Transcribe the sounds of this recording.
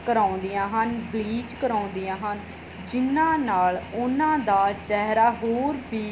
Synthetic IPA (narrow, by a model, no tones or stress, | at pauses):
kəɾãːʊ̃nd̪ijãːɦənbliːd͡ʒkəɾaːʊ̃nd̪ijãːɦən | d͡ʒɪnãːnaːlʊnãːd̪aːt͡ʃɛɦɾaːɦoːɾbiː